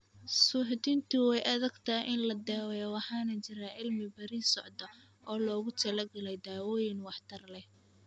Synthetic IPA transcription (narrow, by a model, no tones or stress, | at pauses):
sʊħd̪ɪnt̪ʰʊwɛjʔɐðɐɡt̪ʰaːʔɪnlɐd̪aːwɛjwɑħɑːnɐt͡ʃɪɾaːʕɪlmɪbɐɾiːsɔʕd̪ɐ | ʔɔːlɔːɣʊt̪ʰɐlɐɡɐlɛjd̪aːwɔːjɪnwɑħt̪ʰɐrlɛh